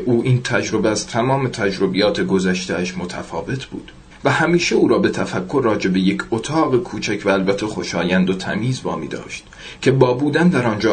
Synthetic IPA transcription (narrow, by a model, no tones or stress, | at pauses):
ʔuːʔiːnt̪ʰæd͡ʒɾo̞beæz̥t̪ʰæmɒːme̞t̪ʰæd͡ʒɾo̞bijɒːt̪ʰeɡo̞zæʃt̪eæʃmo̞t̪ʰæ̰fɒ̰ːve̞t̪ʰbṵːd̪̥ | væhæmiːʃeuːɾɒːbe̞t̪ʰæfækʰːoɾːɒːd͡ʒe̞be̞je̞cʰot̪ʰɒːɣekʰuːt͡ʃʰæcʰvæælbæt̪ʰːexo̞ʃɒːjænd̪ot̪ʰæ̰miːzvɒ̰ːmḭːd̪ɒ̰ːʃt̪̚ | cʰe̞bɒːbuːd̪ænd̪æɾɒːnd͡ʒɒː